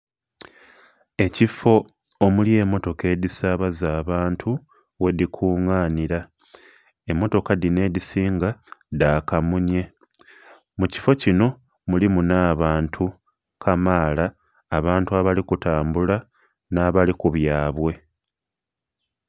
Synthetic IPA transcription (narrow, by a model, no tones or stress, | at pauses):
e̞cifo̞ː | mulie̞ːmːo̞to̞ke̞ːdisaːβazaːβaːntʰu | we̞dikʰuːŋaːniɾa | e̞mːo̞to̞kadine̞ːdisiːŋɡadaːkamuɲe̞ | muci̥fo̞cino̞ | mulimunaːβaːntʰu | kʰamaːlaː | βaːntuaβalikutaːmbula | naːβalikuβjaːβwe̞